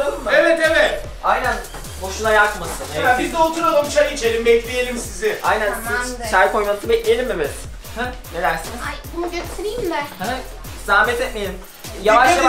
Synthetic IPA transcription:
alɯmevɛt̪evɛt̪ | ajnæn | boʃunajakmasɯnebizd̪ɛot̪ʰuɾamamt͡ʃʰaɾit͡ʃʰelʲimbɛclʲije̞lʲimsizɪajnænsʰajkʰo̞jmant̪ɯbɛclʲiejelʲimevɛt̪ | h | nelæɾsinzbunuɟøst̪ʰeɾejimʲd̪æɾhɛ | zaːmɛt̪ʰɛt̪mejelʲim | javaaɾa

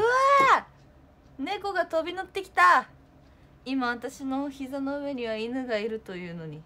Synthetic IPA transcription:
ɯa | ne̞ko̞ɡat̪o̞bʲinot̪ːe̞kʲi̥t̪a | imaβat̪aɕino̞çizano̞ɯ̟βe̞ɲ̟iβ̞ainɯ̟ɡaiɾɯ̟t̪o̞jɯ̟ːno̞ɲ̟i

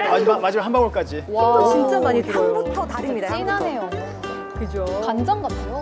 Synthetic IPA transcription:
mad͡ʑimamad͡ʑimaɦanbaŋwʌɭk͈ad͡ʑiwaɯɭt͡ɕint͡ɕ͈amaɲitʰaŋbutʰʌtaɾɯmɲidainanejo | kɯd͡ʑokand͡ʑʌŋɡao

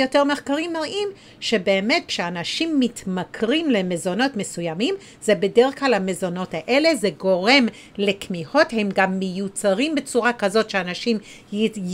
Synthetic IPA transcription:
jote̞ʁme̞χkaʁimoʔim | ʃe̞beːme̞t̚kʃeanaʃimːitmakʁimle̞me̞zo̞no̞tme̞sujamim | zebe̞deʁeχklalhame̞zo̞no̞taʔe̞le̞ze̞ɡo̞ʁe̞m | le̞kmiho̞the̞mɡamːejut͡saʁimbe̞t͡suʁakazo̞tʃeanaʃim

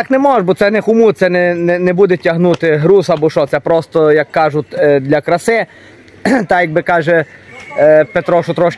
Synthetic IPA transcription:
t̪ɑknɛmɔʒbɔt̪sɛnɛxʊmut̪sɛnɛnɛnɛbud̪ɛtʲɐɦnut̪ɪɦɾuzɐbɔʃɔtsɛpɾɔst̪ɔjɐkːɑʒʊtʲd̪lʲɐkɾɐsɛ | t̪ɑjɐɡ̚bɪkɑʒɛ | pet̪ɾɔʃʊt̪ɾɔʃk

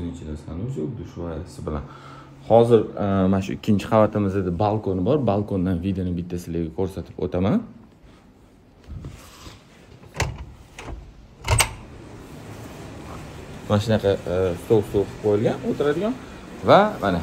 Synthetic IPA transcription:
ɪɾɪnt͡ʃʰɪast̪anʊzod̪ʊʃvaɾasɪbɪla̰n | hɒzɪɾmanaʃʊ̰ɪkʲːɪnt͡ʃʰɪ̥qɑvat̪ʰɪmɪzad̪ɪbalˠkʰonɪbɒɾbalˠkʰonːanvid̪enɪbɪt̪ʰːasɪlɪɡʲɪkʰɵɾsat̪ʰɪ̥po̰t̪ʰaman | manʃɪnaqʰɑst̪owst̪oqɪp̚qʰojɪlɡʲanot̪ʰɪɾad̪ɪɡʲan | vamana

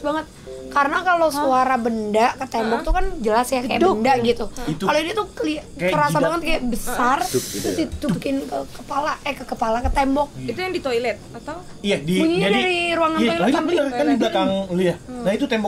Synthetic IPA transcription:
baŋət̪̚ | kaɾənakalosuaɾabəndaʔkət̪ɛmbɔk̚t̪ukand͡ʒəlasjaajaʔbndaʔɡit̪uit̪kaloinat̪uəliatajəɾasabaŋət̪̚kajaʔbəsart̪ʊit̪ubikɪnkəkəpalakajakəkəpalakət̪ɛmbɔk̚it̪ujaŋdit̪ojlɛt̪̚at̪ | ijadiuɲiɲd͡ʒadaɾiɾuaŋanaiabiəkandibakaŋliahnait̪ut̪ɛmbɔ

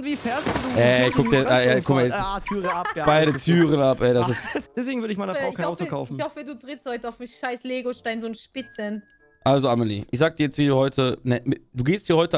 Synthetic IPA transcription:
ntv̥iːfɛːɐsuɛkʰʊk̚d̥iɐʔajakʰʊmaɛsɪsʰyːʁəapb̥aɪdətʰyːʁənapʰʔɛdasɪstd̥ɛsv̥eːɡŋvʏɐɾəɪçmaɪnəfʁaʊkanaʊtokʰaʊfn̩çhɔfəduːtʁɪtsthɔʏtəaʊfmɪʃaɪsleːɡoʃtaɪnzoːnʃpɪt͡sən | ʔalzoaməlḭʔɪçz̥aːɡəd̥iːɐjɛt͡stv̥iːduːhɔʏtʰənɛd̥uːɡeːsthiːɐhɔʏtə

